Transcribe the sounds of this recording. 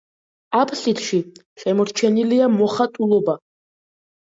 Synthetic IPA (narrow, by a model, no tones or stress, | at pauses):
apʰʼɬit̪ʰʃi | ʃɛmɔɾt͡ʃʰɛniliamɔχat̪ʼulˠɔba